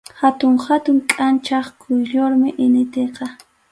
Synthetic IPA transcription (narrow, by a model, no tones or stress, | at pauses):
hat̪ʊŋhat̪ʊŋkʼant͡ʃɑχkʰʊjʎoɾmɪʔɪnɪt̪eqɑ